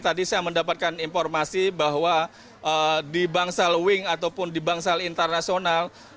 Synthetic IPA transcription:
t̪adisajaməndapat̪̚kaninfɔrmasibaɦwa | ʔədibaŋsalwɪŋat̪awpʊndibaŋsalint̪ərnasional

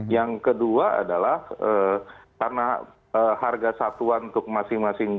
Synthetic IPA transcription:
jaŋkəduaa̰dalahəːkarna | əharɡasat̪uanunt̪ʊk̚masɪŋmasɪŋ

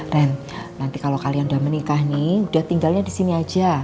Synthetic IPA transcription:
rɛn | nant̪ikalowkalijaŋudahmənikahniud̥aht̪iŋɡalɲadisiniad͡ʒa

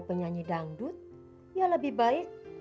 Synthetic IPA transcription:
pəɲaɲidaŋdʊt̪̚ | jaləbɪhbaɪk̚

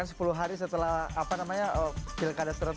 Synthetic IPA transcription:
ansə̥puluɦaɾisət̪əlaɦapanamaɲaʔə̥pilkadast̪əɾə

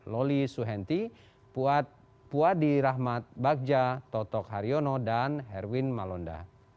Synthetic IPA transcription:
lɔlisuɦɛnt̪i | puat̪̚ | puadiɾaɦmat̪̚bak̚d͡ʒat̪ɔt̪ɔkɦaɾiɔnɔdanɦɛrwinmalɔnda̰

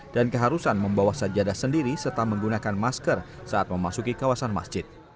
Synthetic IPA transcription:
d̥ankəɦaɾusanməmbawahsad͡ʒadasəndiɾisərt̪aməŋɡunakanmaskər | saat̪̚məmasukikawasanma̰sd͡ʒɪt̪̚

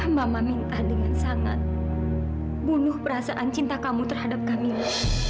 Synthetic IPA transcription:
mamamint̪ahdəŋansaŋa̰t̪̚ | bunʊhpəɾasaʔant͡ʃint̪akamut̪ərɦadap̚kamimu

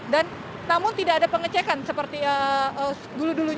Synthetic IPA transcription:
dan | namʊnt̪idaːdapəŋət͡ʃekansəpərt̪iəə | duluduluɲ

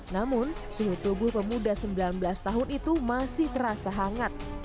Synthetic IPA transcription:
namʊn | suɦut̪ubʊhpəmudasəmbilanbəlast̪aɦʊnit̪umasɪht̪əɾasaɦaŋat̪̚

